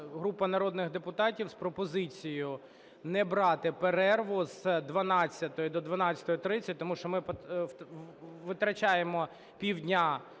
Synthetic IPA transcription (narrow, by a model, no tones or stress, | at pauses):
ɦɾupɐnɐɾɔd̪nɪɣd̪epʊt̪ɑtʲiwspɾɔpɔzɪt͡sʲijʊ | nɛbɾɑt̪ɪpeɾɛrʋʊz̥d̪ʋɐnɑt͡sʲːɐt̪ɔjʊd̪ɔd̪ʋɐnɑt͡sʲɐ̥t̪ɔjʊt̪ɾɪt͡sʲːɐtʲt̪ɔmuʃt͡ʃɔmɪp | ʋɪt̪ɾɐt͡ʃɑjemɔ | pʲiwdʲnʲa